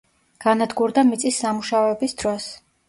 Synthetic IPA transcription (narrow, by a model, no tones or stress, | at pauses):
ɡ̥anad̪ɡuɾd̪amit̪sʼisːamuʃaɔɛbisd̪̥ɾɔs